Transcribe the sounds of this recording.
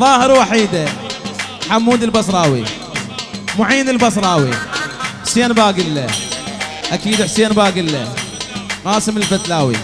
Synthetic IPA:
ðˤɑːhɪɾwaħiːd̪a | ħamːuːd̪ɪlbɑsˤɾˤɑːwḭ | mʊʕiːnɪlbɑs̬ɾˤɑːwḭħseːnbaːɡɪlːa | ʔakiːd̪ħseːnbaːɡɪlːa | qɑːsɪmɪlfat̪laːwḭ

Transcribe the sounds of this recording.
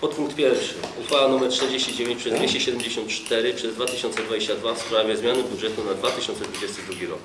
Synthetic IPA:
pɔt̪puŋkt̪pʲjɛɾfʂɘ̰uxfalanumɛɾtt̪ɛɾd͡ʑeɕt͡ɕid͡ʑevʲjẽɲt͡ɕpʂɛzd̪ʲeɕt͡ɕɛɕɛd̪ɛmd͡ʑeɕɔnt̪t͡ʂt̪ɛɾɘpʂɛzd̪vat̪ɘɕɔnt̪sɛd̪vad͡ʑeɕt͡ɕad̪vafspɾavʲjɛzmʲjanɘbudʐɛt̪unad̪vat̪ɘɕɔnt̪sɛd̪vud͡ʑɛst̪ɘd̪ɾuɡʲiɾɔk

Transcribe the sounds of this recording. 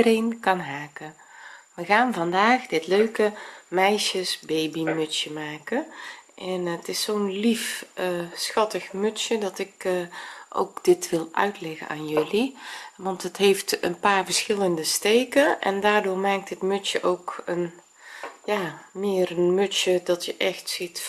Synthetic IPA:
ərejnkɑnɦaːkə | ʋəɣaːnvɑndaːxdɪtløɥkəmɛjʃəsbejbimɵsjəmaːkəʔɛnətɪsːoːnlifəsxɑtəxmøsjədɑtɪk | ʔo̰wkd̥ɪtʋɪlˠʔœ̰ɥtlɛɣə̰na̰ːnjɵliʋɑntətɦeftə̰npaːrvəɹsxɪləndəsteːkəʔɛ̰ndaːrdoːɹmaːk̚tətmɵtjəʔowkən | jaːmɪːrənmøtsjədɑtjəʔɛxtsit

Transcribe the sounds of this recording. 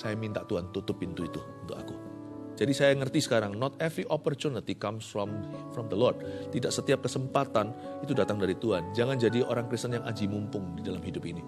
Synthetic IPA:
sajamint̪aʔt̪uhant̪ut̪ʊpːint̪uit̪uunt̪ʊka̰ku | d͡ʒadisajaŋərt̪isə̥kaɾaŋnɔt̪̚ɛvɾiʔopɔrt͡ʃunit̪ikamsfɔmfɾɔmd̪əlɔrd̚t̪idaʔsət̪iap̚kəsəmpat̪anit̪udat̪aŋdaɾit̪uɦand͡ʒaŋand͡ʒadioɾaŋkɾist̪ənjaŋʔad͡ʒimumpʊŋdidalamɦidʊpini

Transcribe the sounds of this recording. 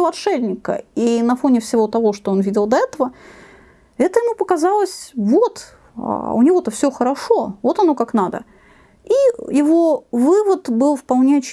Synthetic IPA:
lˠɐt̪ʂɛbnʲɪkə̰inɐfonʲɪfsʲɪvo̞t̪ɐvo̞ʂt̪oonvʲidʲɪlˠd̪ɐɛt̪əvə | ɛt̪əjɪmupəkɐzɑlˠəsʲvot̪ | a̰ʊnʲɪvo̞t̪əfsʲɵxəɾɐʂo̞vo̞t̪ɐno̞kaknad̪ə̰ | ijɪvo̞vɨvət̪bɨlˠfpɐlˠnʲeɐt͡ɕː

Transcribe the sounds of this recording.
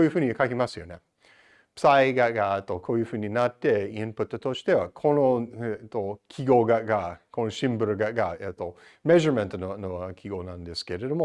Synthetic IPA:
koːjɯ̟ɸɯ̟ːɲʲikakʲimasɨjo̞ne̞ | psaiɡaɡat̪ːokʰoːjɯ̟hɯ̟ːɲ̟ːinat̪ːe̞ĩmpɯ̟t̪ːɨt̪o̞ɕi̥t̪e̞βakʰo̞noet̪ːokʲʰiɡo̞ɡaɡakʰonoɕĩmbɯɾoɡaɡaet̪ːo̞ | meʒoɾmẽnt̪ononokʰʲiɡonãnd̪e̞sɨ̥ke̞ɾe̞d̪o̞mo

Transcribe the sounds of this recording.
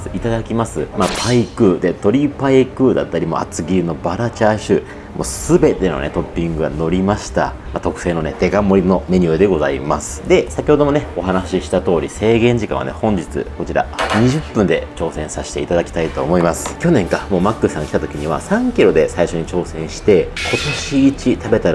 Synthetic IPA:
ɨit̪ad̪akʲimasɨmapʰaikɯ̟d̪e̞t̪o̞ɾʲipaikɯ̟d̪a̰t̪ːaɾʲimo̞̰a̰t͡sɨɡʲiɾɯ̟nobaɾat͡ɕaɕɨ | mo̞̰sɨbe̞t̪e̞none̞̰t̪o̞pʲːĩŋɡɯ̟ɡa̰no̞ɾʲimaɕi̥t̪a̰ | mat̪o̞kɯ̟̥se̞ːno̞ne̞t̪e̞ɡamo̞ɾʲino̞me̞ɲ̟ɨɯd̪e̞ɡo̞za̰imasɨ̥d̪e̞sakʲiho̞d̪o̞mo̞ne̞o̞ɦanaɕiɕi̥t̪at̪o̞ːɾʲise̞ːɡẽ̞ɲ̟d͡ʑikã̰a̰ne̞̰hõ̞ɲ̟d͡ʑit͡sɨ̰ko̞t͡ɕiɾa̰ɲ̟iʑɨpːɯ̟̃nd̪e̞t͡ɕo̞ːsẽ̞ɰ̃saɕi̥t̪e̞it̪ad̪akʲi̥t̪ait̪o̞ːmo̞imasɨ̥kʲo̞nẽ̞ŋkamo̞ːmakːɯsãŋɡakʲi̥t̪at̪okʲiɲ̟iβ̞a̰sãŋkʲiɾo̞d̪e̞saiɕo̞ɲ̟it͡ɕo̞ːsẽ̞ɰ̃ɕi̥t̪e̞kʰo̞t̪o̞ɕiːt͡ɕit̪abe̞t̪aɾ

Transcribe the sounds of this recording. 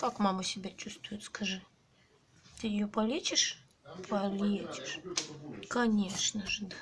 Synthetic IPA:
kakmaməsʲɪbʲat͡ɕust̪vʊjʊt̪skɐʐɨ | t̪ɨjɪjopɐlʲet͡ɕʲɪʂ | pʰɐlʲet͡ɕʲɪ̥ʂ | kɐnʲeʂnəʐəd̪a

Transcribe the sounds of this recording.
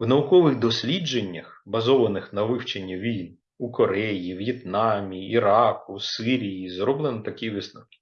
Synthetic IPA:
wnɐʋukɔʋɪɣd̪ɔsʲlʲid͡ʒenʲːɐxbɐzɔʋɐnɪxnɐʋɪwt͡ʃenʲːɐʋʲijn | ukɔɾɛjiwjɛt̪nɑmʲiːɾɑkʊsɪɾʲijizɾɔblˠenɐt̪ɐkʲiʋɪsnɔkʲi̥

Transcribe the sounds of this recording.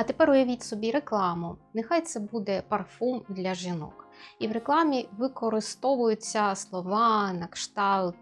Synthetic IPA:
ɐt̪epɛɾʊjɐʋʲitʲsɔbʲiɾeklˠɑmʊnexɑjt̪sɛbud̪ɛpɐrfumd̪lʲɐʒinɔ̰kiwɾeklˠɑmʲiʋɪkɔɾɪst̪ɔʋʊjʊt͡sʲːɐslˠɔʋɑnɐkʃt̪ɑlˠt̪

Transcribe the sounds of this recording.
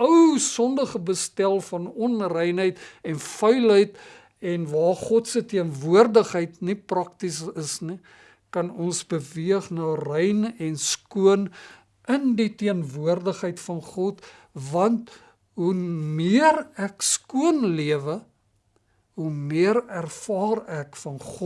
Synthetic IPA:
əwsɔndəχəbəstælˠfɐnɔnrɛjnɦəjtɛnfœɥlɦəjt | ɛnvɑːrχɔtsətiənvuərdəχɦəjtniprɐk̚tisəsni | kɐnɔnsbəviəχnɑːrɛjnɛnskuən | ənditiənvuərdəχɦəjtfɐnχɔt | vɐnt | ɦumiərækskuənliəvə | ɦumiəɾærfɑːrækfɐnχɔ

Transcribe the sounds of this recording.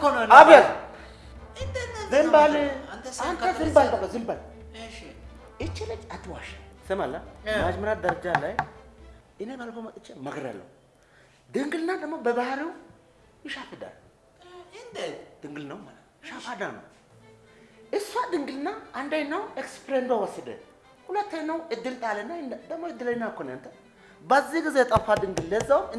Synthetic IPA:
abəl | ɨzɨmbalɨant̪ʰazɨmbalt̪azɨmbal | ɨt͡ʃːɛlət͡ʃʼat̪ʰːɨwaʃesəmalːamad͡ʒməɾat̪̚d̪əɾɐd͡ʒalaj | ɨnebalfomtʼɨt͡ʃːemɐɡɾa̰lːə̰hu | d̪ɨŋɡɨlnad̪əmːobəbahɾiw | jɪʃafɨd̪a̰l | d̪̥ɨŋɡɨlnəwmalət̪ʃafad̪anə̰w | ɨsad̪ɨŋɡɨlɨnːaʔːnd̪ajnːawekspɾend̪awɔsːɨd̪ə̰ | hulət̪ːajnːəwɨd̪ːɨlt̪ʼalənːand̪əmːojɪd̪ːɨləɲnːakʰːoneɨnt̪ʰə | bazːihɡɨzejt̪ʼafad̪ɨŋɡɨlːəzːawɨ

